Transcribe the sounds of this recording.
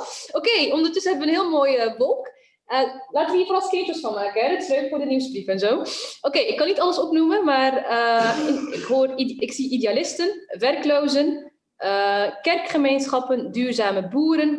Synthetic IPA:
okejɔmdərtɵsənɦɛbəʋənɦɪːlˠmoːjəbɔlˠk | əlaːtəʋəiːrfɔrɑskɪtəsfɑnmaːkənɦɛdətɪ̥sløɥkfʊːrdəniwsbrifɛnzowʔokejɪkːɑnːitɑləsɔpnumənmaːrəɪɪkɦoːrɪksiʔidealɪstənʋɛrklowzən | ʔəkɛrkχəmejnsχɑpəndyːrzaːməbuːɾən

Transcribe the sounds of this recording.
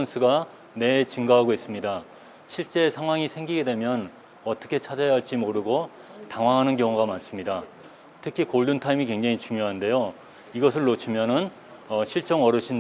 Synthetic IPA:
nsʰuɡa | ne̞t͡ɕɯŋɡaɦaɡoɦis͈ɯmɲida | ɕʰiɭt͡ɕ͈e̞sʰaŋɦwaŋisʰe̞ŋɡiɡe̞dwe̞mjʌn | ʌt͈ʌkʰe̞t͡ɕʰad͡ʑajaɦaɭt͡ɕ͈imoɾɯɡo | taŋwaŋɦanɯnɡjʌŋuɡamans͈ɯmɲida | tʰɯkʰikoɭdɯntʰaimikwe̞ŋd͡ʑaŋit͡ɕuŋjoɦande̞jo | iɡʌs̬ʰɯɭːot͡ɕʰimjʌnɯn | ʌɕʰiɭt͡ɕ͈ʌŋʌɾɯɕʰin

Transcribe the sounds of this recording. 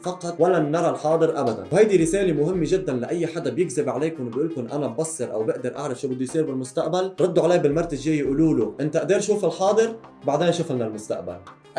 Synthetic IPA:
fɑqːɑt̪walːanːɑɾˤɑlħɑːd̪ˤɨɾʔabad̪a̰nwhajd̪iɾɪseːlemʊhɪmːeʒɪd̪ːanlaʔajːħad̪abjɪɡzɪbʕaleːkʊnbʔuːlkʊnʔanabbɑsˤːɨɾʔa̰wbɪʔd̪ɪɾʔa̰ʕɾɪfʃuːbɪd̪ːujsˤiːɾbɪlmʊst̪aʔbalɾˤɑd̪ːuʕaleːbɪlmɑɾˤt̪ɪʒjejːʔuːluːluʔɪnt̪aʔad̪eːɾʃuːfɪlħɑːd̪ˤɨɾ | baʕd̪eːnʃʊflnalmʊst̪a̰ʔba̰l

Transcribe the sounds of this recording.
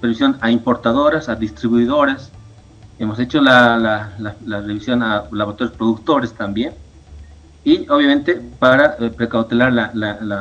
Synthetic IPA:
peɾβisjo̞naimpo̞ɾt̪aðo̞ɾasaðist̪ɾiβuiðo̞ɾas | emo̞se̞t͡ʃo̞lalalalareβisjo̞nalaβot̪oɾespɾo̞ðukt̪o̞ɾest̪ambje̞n | ioβjamẽ̞nt̪epaɾapɾekawt̪elaɾlalala

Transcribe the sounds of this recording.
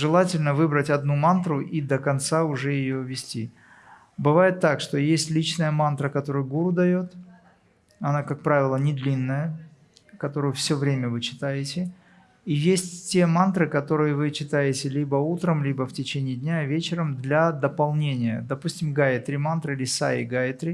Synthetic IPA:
ʐɨlˠatʲɪlʲnəvɨbɾətʲɐd̪numant̪ɾʊʔid̪əkɐnt̪saʊʐɛjɪjovʲɪsʲtʲi | bɨvajɪt̪ːakʂt̪o̞jesʲtʲlʲit͡ɕnəjəmant̪ɾəkɐt̪o̞ɾɨjʊɡuɾʊd̪ɐjo̞t̪ | ɐnakak̚pɾavʲɪlˠənʲɪd̪lʲinːəjə | kɐt̪o̞ɾʊjʊfsʲɵvɾʲemʲəvɨt͡ɕɪ̥t̪ajɪtʲɪ | ijesʲtʲtʲemant̪ɾɨkɐt̪o̞ɾɨjəvɨt͡ɕːɪt̪ajɪtʲɪlʲibəut̪ɾəmlʲibəftʲɪt͡ɕenʲɪjɪd̪ʲnʲavʲet͡ɕɪɾəmd̪lʲɐd̪əpɐlˠnʲenʲɪjə̰d̪ɐpusʲtʲɪmɡajɪt̪ɾʲɪmant̪ɾɨilʲɪsa̰ɪ̰ɡajɪt̪ɾʲɪ

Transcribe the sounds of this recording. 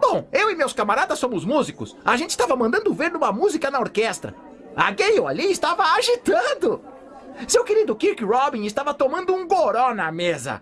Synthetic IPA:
b̥õw̃ewɪmewskamaɾad̪ɐsːõmʊzmuzikʊ̰saʒẽnt͡ʃɪst̪avɐmɐ̃nd̪ɐ̃nd̪ʊveɾnũmɐmuzikɐnɐoɾkɛst̪ɾɐ̰ | a̰ɡejoa̰liɪst̪avɐaʒit̪ɐ̃d̪ʊ | sewkeɾid̪ʊkiɾkɪɾɔbĩɪst̪avɐt̪omɐ̃nd̪ʊũɡoɾõnɐmezɐ̰

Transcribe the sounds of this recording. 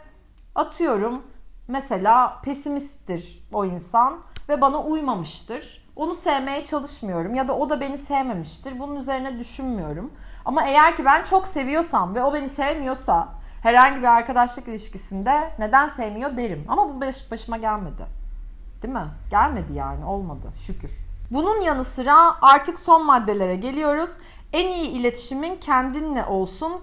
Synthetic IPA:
at̪ʰɯjo̞ɾumːɛse̞lʲaːpʰe̞simist̪ːiɾ̥o̞insanvɛbanaʔujmamɯʃt̪ɯɾ̥ | o̞nusevme̞jɛt͡ʃʰalˠɯʃmɯjo̞ɾumjad̪aʔo̞d̪abe̞nisejme̞miʃt̪iɾbununyze̞ɾinɛd̪yʃynmijo̞ɾuma̰mae̞jæɾcibænt͡ʃʰo̞kse̞vijo̞samvɛo̞be̞nisevemijo̞sa | hæɾhaɲɟibiaɾkad̪aʃlˠɯkilʲiʃcisind̪ɛne̞d̪ænsejmijo̞d̪e̞ɾima̰mabubeʃɯ̥baʃɯmaɟælʲme̞d̪ɪ̰ | d̪̥imɪɟ̥ælʲme̞d̪ija̰ːnɪo̞lˠmad̪ɯ̰ʃycʰyɾ̥bununjanɯsɯɾaaɾt̪ʰɯkso̞nmad̪ːe̞lʲe̞ɾɛɟe̞lʲijo̞ɾuz̥ | ænijiːlʲe̞t̪ʰi̥ʃimincʰænd̪inlʲɛ̰ʔo̞lˠsun

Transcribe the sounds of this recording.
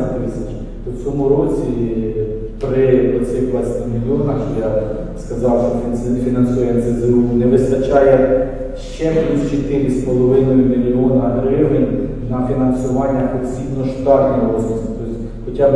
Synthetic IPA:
t̪ɪsʲɐt͡ʃ | t̪ɔsʲɔmʊɾɔt͡sʲi | pɾɪɔsʲɛjplˠɑsʲt̪ʲimʲilʲɔnɐxja | skɐzɑwʃɔfʲisɛfʲinɐnsujɛnsɛzɾunɛʋɪst̪ɐt͡ʃɑjɛ | ʃt͡ʃɛplʲust͡ʃɪt̪ɪɾɪspɔlˠɔʋɪnɔjʊmʲilʲiɔnɐɦɾɪʋɪnʲ | nɐfʲinɐnsʊʋɑnʲːɐpɔsʲibnɔʃt̪ɑknʲɔɔɔsɔsʲit̪ɔsʲ | xɔt͡ʃʲɑb

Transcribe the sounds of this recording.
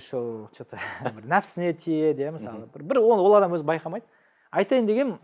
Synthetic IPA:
ʃolˠt͡ʃʰɪt̪bɪɾnæpsɪne̞t̪ʰijed̪ejemɪsɑ̰lˠəbɪɾbɪɾwowo̞lˠɑd̪ɑmwɵzɪbɑjqʰɑmɑjd̪ə | ɑjt̪ɑjənd̪e̞ɡʲen

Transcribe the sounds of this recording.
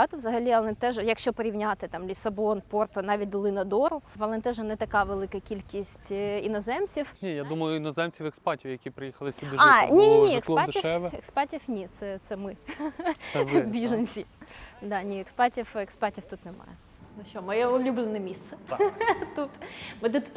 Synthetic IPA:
ɐt̪ɔʋzɐɦɐlʲiɐlˠɪnt̪ɛʒjɐkʃt͡ʃɔpɔɾʲiwnʲat̪ɪt̪ɑmlʲisɐbɔnpɔrt̪ɔnɑʋʲit̚ʲd̪ɔlˠɪnɐd̪ɔɾʊʋɐlˠɛnt̪ɛʒɛnɛt̪ɐkɑʋelˠɪkɐkʲilʲkʲisʲtʲinɔzɛmt͡sʲiwnʲijad̪umɐjʊinɔzɛmt͡sʲiwɛkspɑtʲiwjɐkʲipɾɪjixɐlˠɪsʲid̪ɑnʲinʲinʲiekspɑiʃɛʋɛekspɑtʲiwnʲit̪sɛt̪sɛmɪ | bʲiʒenʲsʲid̪ɑnʲiɛkspɑtʲiwekspɑtʲiwt̪ut̪nɛmɑ̰jɛ | nʊʃt͡ʃɔmɔjɛʊlʲublʲˠenɛmʲist̪sɛ | t̪ut̪mɪt̪ut̪

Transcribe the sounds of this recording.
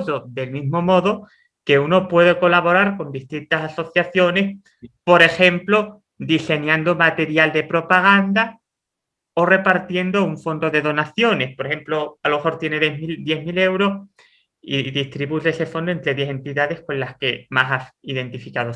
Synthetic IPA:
ðo̞ðe̞lmizmo̞mo̞ðo | ke̞uno̞pwe̞ðeko̞laβo̞ɾaɾko̞nd̪ist̪int̪asaso̞θjaθjo̞ne̞s | po̞ɾe̞xe̞mplo | d̪ise̞ɲãnd̪omat̪e̞ɾjald̪e̞pɾo̞paɣ̞and̪a | o̞re̞paɾt̪je̞nd̪o̞uɱfo̞nd̪o̞ðe̞ðo̞naθjo̞ne̞spoɾexe̞mploalomexo̞ɾt̪je̞ne̞ðemild̪je̞ɦmile̞wɾo̞s | ḭðist̪ɾiβuʎese̞fo̞nd̪oe̞nt̪ɾeðje̞se̞nt̪iðaðe̞hko̞nlaske̞masasiðe̞nt̪ifikaðo

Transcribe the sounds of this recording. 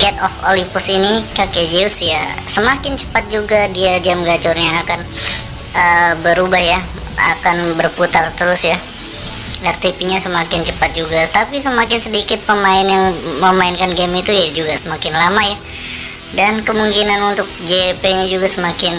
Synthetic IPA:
ɡɛt̪ɔfolipʊsinikaked͡ʒeusjasəmakɪnt͡ʃə̥pat̪̚d͡ʒuɡadiad͡ʒamɡad͡ʒɔrɲaːkan | əbəɾubahja | a̰kanbərput̪art̪əɾʊsja | ɛrt̪ipiɲasəmakɪnt͡ʃəpat̪̚d͡ʒuɡat̪apisəmakɪnsədikɪt̪̚pəmaɪnjaŋməmaɪnkanɡɛmit̪ujad͡ʒuɡasəmakɪnlamaja | dankəmuŋkinanunt̪ʊk̚d͡ʒepeɲad͡ʒuɡasəmakɪn

